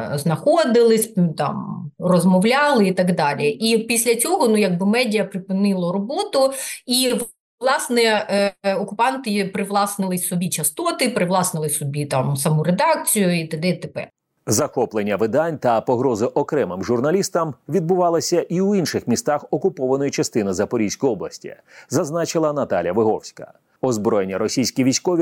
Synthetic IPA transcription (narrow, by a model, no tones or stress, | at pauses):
znɐxɔd̪ɪlˠɪsʲt̪ɑ̰mrɔzmɔwlʲɑlˠɪit̪ɐɡd̪ɑlʲiʔipʲisʲlʲɐt͡sʲɔɦɔnujɐɡ̚bɪmɛdʲɪɐpɾɪpɪnɪlˠɔɾɔbɔt̪ʊiʋ | lˠɑsnɛ | ɔkʊpɑnt̪ɪpɾɪʋlˠɑsnɪlˠɪsʲsɔbʲit͡ʃɐst̪ɔt̪ɪpɾɪʋlˠɑsnɪlˠɪsʲsɔbʲit̪ɑmsɐmuɾed̪ɑk̚t͡sʲijʊit̪ɐd̪ɛt̪epɛ̰r | zɐxɔplˠenʲːɐʋɪd̪ɑnʲt̪ɐpɔɦɾɔzɪʔɔkɾɛmɪmʒʊrnɐlʲist̪ɐmʋʲid̪bʊʋɑlˠɐsʲɐʔiwinʃɪxmʲist̪ɑxɔkʊpɔʋɐnɔjʊt͡ʃɐst̪ɪnɪzɐpɔɾʲijsʲkʊjɔblˠɐsʲtʲḭ | zɐznɑt͡ʃɪlˠɐnɐt̪ɑlʲjɐʋɪɦɔwsʲkɐ̰ | ɔzbɾɔjenʲːɐɾɔsʲijsʲkʲiʋʲisʲkɔʋʲi